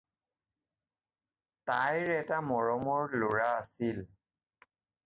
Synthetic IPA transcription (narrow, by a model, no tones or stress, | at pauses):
tajɹɛtamɔɹɔmɔɹloɹaːsil